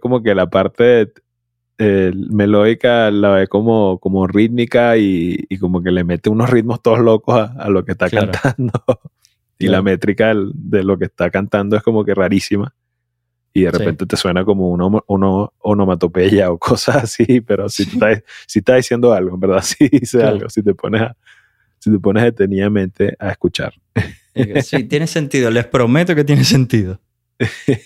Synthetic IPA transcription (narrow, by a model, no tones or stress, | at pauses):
ko̞mo̞ke̞lapaɾt̪e̞ | eme̞lo̞ðikalaβe̞ko̞mo̞ko̞mo̞rit̪mikaiːkomo̞ke̞le̞me̞t̪euno̞srit̪̚mo̞st̪oðoɦlo̞ko̞saːlokest̪akant̪ʰand̪o | ilame̞t̪ɾikaðed̪e̞lo̞kest̪akant̪and̪o̞e̞sko̞mo̞ke̞raɾisima | iðe̞rʔepe̞nt̪et̪e̞swe̞nako̞mo̞unomunoːnomat̪o̞pe̞ʝaokʰo̞saːsipe̞ɾo̞sit̪ut̪asieht̪ahðisje̞nd̪o̞alɣo̞embe̞ɾðasiðisealɡo̞̰sit̪e̞pʰo̞ne̞sa | sit̪e̞po̞neðet̪e̞niðamẽ̞nt̪e̞ʔaeskut͡ʃa̰ɾ | t̪jenesent̪iðolespɾomet̪oket̪jenesent̪iðo